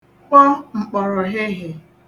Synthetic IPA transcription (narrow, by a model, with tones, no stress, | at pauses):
k͡pɔ˦ŋ͡m̩˨k͡pɔ˨ɾɔ˨ɦɪ˦ɦɪ˨